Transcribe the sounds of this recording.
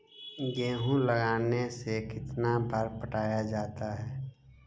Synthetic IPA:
ɡẽːɦũləɡaːnesekɪt̪nabʱəɾpəʈaːjad͡ʒaːt̪aɦɛː

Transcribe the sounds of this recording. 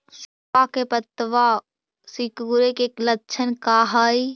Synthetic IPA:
səpakepət̪ːʋa | sɪkuɾekeklətːt͡ʃʰənkaːɦaːi

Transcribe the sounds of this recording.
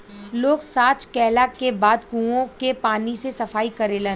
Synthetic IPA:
loːɡsaːt͡ʃkɛːlakebaːd̪kũõkepaːnisesɐfaːikɐɾeːlẽː

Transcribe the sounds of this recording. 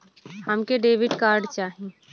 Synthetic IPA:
həmkeɖeːʋɪɖkaːɾɖt͡ʃaːɦẽ

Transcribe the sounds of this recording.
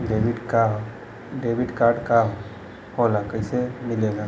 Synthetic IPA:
ɖeːʋɪɖka | ɖeːʋɪɖkaːɾɖkaɦo | hoːlakəɪsemɪleɡaː

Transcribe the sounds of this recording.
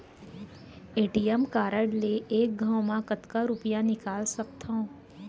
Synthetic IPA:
eːʈijɛmkaːɾəɖleʔeːk̚ɡʱə̃wmãkət̪kaɾʊpjãnɪkaːlsɐk̚t̪ʰõ

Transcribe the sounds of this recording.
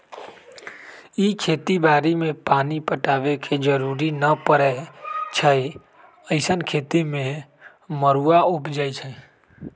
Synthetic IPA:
ikʰeːt̪ibaːɾimẽpaːnipəʈaːʋekʰed͡ʒəɾuːɾinəpəɾɛt͡ʃʰəi | əɪsənkʰeːt̪imẽ | məɾuaʊpd͡ʒaːjt͡ʃʰə

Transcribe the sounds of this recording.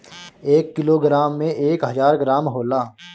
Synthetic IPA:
eːkːɪloːɡɾaːmːẽʔeːkɦəzaːɾɡɾaːmɦoːlaː

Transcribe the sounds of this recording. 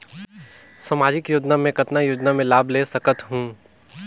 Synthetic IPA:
samaːd͡ʒɪkjʊd͡ʒnamẽkɐt̪najʊd͡ʒnamẽlaːbleːsɐkət̪ɦũː

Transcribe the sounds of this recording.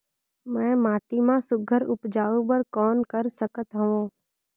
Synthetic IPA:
mɛ̃ːmaːʈiːmãːsʊɡʱəɾʊpd͡ʒaːʋũːpəɾkɔːnkəɾsəkət̪ɦəʋõː

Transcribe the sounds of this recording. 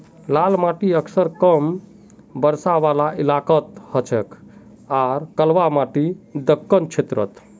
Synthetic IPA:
lalmaʈiəksəɾkəm | bəɾsaʋalailakət̪hət͡ʃʰɛk | aɾkəlʋamaʈid̪əkːənt͡ʃʰet̪ɾə̰t̪

